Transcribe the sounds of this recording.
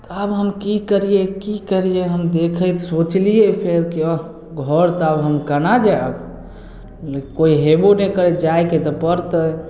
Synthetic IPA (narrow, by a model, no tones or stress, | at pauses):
t̪ɔəbɦəmkikəɾijekikəɾijeɦəmd̪ekʰəjt̪sot͡ʃlijepʰeɾkiɔ | ɡʱɔɾt̪ɔəbɦəmkənad͡ʒaəb | lkoiɦebonekəɾed͡ʒajket̪ɔpəɾt̪ə